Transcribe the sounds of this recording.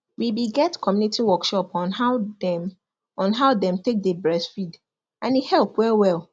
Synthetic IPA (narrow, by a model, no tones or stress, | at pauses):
wibiɡɛtkʰɔmjunitʰiwɔkʃɔpɔ̃naʊdɛ | ɔ̃nɦaʊdɛ̃mtek̚debɹɛsfid | ʔãnihɛlˠpwɛlwɛlˠ